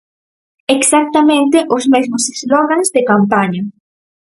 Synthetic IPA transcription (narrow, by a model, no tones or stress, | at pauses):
eksak̚t̪ɐmẽnt̪ɪʔʊzmezmʊsezlɔɣanzðekampaɲɐ